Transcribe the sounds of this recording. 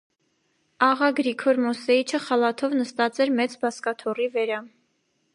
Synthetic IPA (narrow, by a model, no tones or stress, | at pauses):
ɑʁɑɡɾikʰɔɾmɔsɛit͡ʃʰəχɑlɑt̪ʰɔvnəst̪ɑt͡sɛɾmɛt͡sbɑskɑt̪ʰɔrivəɾɑ